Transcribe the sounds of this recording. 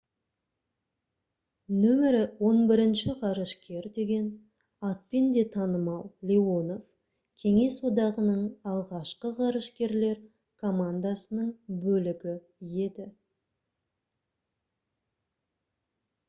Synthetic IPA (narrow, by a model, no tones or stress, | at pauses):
nɵmɪɾɪwo̞nbɪɾɪnʃɪqɑɾəʃkʲe̞ɾd̪e̞ɡʲe̞n | ɑt̪̚pend̪e̞t̪ʰɑnəmɑlˠlʲeo̞no̞v | kʲʰe̞ŋe̞swo̞d̪ɑʁənəɴɑlˠʁɑʃqəʁɑɾəʃkʲe̞ɾle̞ɾ | kʰo̞mand̪asənəɴbɵlɪɡʲɪ | je̞d̪ɪ